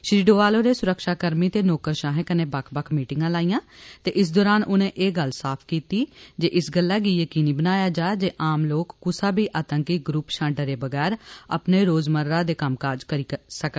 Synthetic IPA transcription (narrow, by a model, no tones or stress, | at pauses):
ʃɾiːɖoːʋaːloːɾeːsʊɾəkʃaːkəɾmiːt̪eːnoːkəɾʃãːɦẽːkənẽːbəkʰbəkʰmiːʈɪŋɡãːlaːijãːt̪eːʔɪs̬d̪ɔːɾaːnʔʊnẽːʔeːɡəlsaːpʰkiːt̪iːd͡ʒeːʔɪsɡəlːaːɡiːjəkiːniːbənaːjaːd͡ʒaːd͡ʒeːʔaːmloːkːʊsaːbiːʔaːt̪əŋkiɡɾupʃãːɳɖəɾeːbəɡɛːɾə̰pneːɾoːzməɾːãːd̪eːkəmkaːɾd͡ʒkəɾiːsək